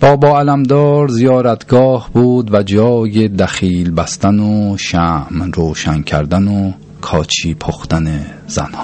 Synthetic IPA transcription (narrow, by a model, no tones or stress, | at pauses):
b̥ɒːbɒːælæmd̪ɒːɾzijɒːɾæt̪ʰɡɒːhbuːd̪væd͡ʒɒːjed̪æxiːlbæst̪ænoʃæmɾoːʃæncʰæ̰ɾd̪æno | kʰɒːt͡ʃʰiːpʰoxt̪ænez̥æ̰nhɒ